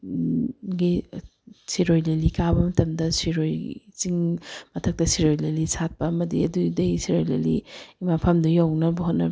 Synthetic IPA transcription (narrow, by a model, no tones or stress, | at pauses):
ɡi | siɾojlelikabɐmɐtɐmdɐsiɾojt͡ʃiŋmɐtʰɐk̚tɐsiɾojlelisʰat̚pɐɐmɐdḭɐdudɐisiɾojlḛlḭimapʰɐmdɐjawnɐbɐɦotnɐ̰b